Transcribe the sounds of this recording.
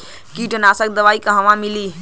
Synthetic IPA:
kiːʈənaːsək̚d̪əʋaːikɐ̃ɦɐ̃ʋãmiliː

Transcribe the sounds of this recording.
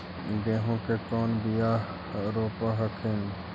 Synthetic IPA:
ɡẽːɦõːkekoːnbijaː | ɾoːpaɦɐkʰen

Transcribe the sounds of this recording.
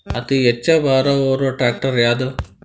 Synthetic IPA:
ɐt̪ijet͡ʃːɐbaːɾɐoːɾoʈɾaːk̚ʈɐɾjaːd̪ɐ

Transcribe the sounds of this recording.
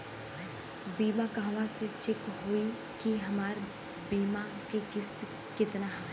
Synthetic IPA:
biːmãkãːʋãset͡ʃɪkɦoːi | kiɦɐmaːɾ | biːma | keɡɪst̪ | kɪt̪naɦ

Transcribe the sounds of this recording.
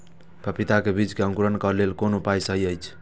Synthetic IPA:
pəpit̪akebid͡ʒkeə̃ŋkuɾənkəɾlelkonopajsəɦiəjt͡ʃʰ

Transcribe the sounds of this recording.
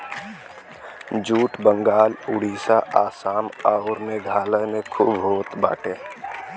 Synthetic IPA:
d͡ʒuːʈbə̃ŋɡaːlʊɽiːsaʔaːsaːmaʊɾmẽɡʱaːlənẽkʰuːbɦoːt̪ba̰ːʈeː

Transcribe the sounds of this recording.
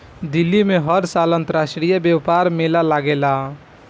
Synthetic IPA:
d̪ilːimeɦəɾsalə̃nt̪əɾasʈɾijəbjɛʋpaɾmelalaɡela

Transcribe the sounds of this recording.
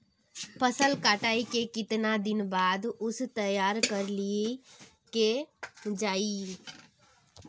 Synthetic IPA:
pʰəsəlkaːʈaːikekɪt̪nad̪ɪnbaːd̪ʊst̪ɐjaːɾkɐɾlie | ked͡ʒaːi

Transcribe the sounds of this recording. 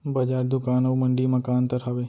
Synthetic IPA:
bɐd͡ʒaːɾd̪ʊkaːnəʋməɳɖiːməkaːnt̪əɾɦɐʋeː

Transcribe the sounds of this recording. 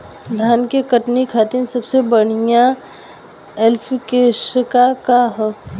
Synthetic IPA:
d̪ʱaːnkekəʈnikʰaːt̪ɪnsəbsebəɽ̤ijã | elpʰkeʃəkakaɦɛ

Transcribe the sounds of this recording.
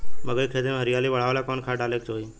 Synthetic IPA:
məɡəikʰɾet̪emɦəɾɪjaːliːʋəɭ̤aʋlakɔnkʰaːʈaːleːk̚t͡ʃoːiː

